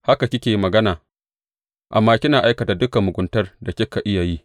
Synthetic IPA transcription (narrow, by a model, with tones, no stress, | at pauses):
ha˦ka˨kʲɪ˦kʲeː˨˦mɐ˨ɡɐ˦naː˨ | ʔa̰˨mːaː˦kʲɪ˦naː˨ʔa˦jkɐ˨ta˨dʊ˦ka˨mʊ˨ɡʷʊ˦ntɐ˦rda˨kʲɛ˦kːa˨ʔɪ˦ja˨ji˦